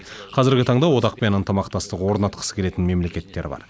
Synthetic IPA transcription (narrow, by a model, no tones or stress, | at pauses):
qʰɑzɪɾɡʲɪt̪ʰɑɴd̪ɑwo̞d̪ɑq̚pe̞nənt̪əmɑqt̪ɑst̪əqwo̞ɾnɑt̪̚qʰə̥sə̥kʰʲe̞le̞t̪ɪnme̞mle̞kʲe̞t̪ːe̞ɾɪbɑ̰ɾ